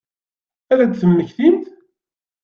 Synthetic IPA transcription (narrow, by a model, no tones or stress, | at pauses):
æðæd̪θəmːəçθimθ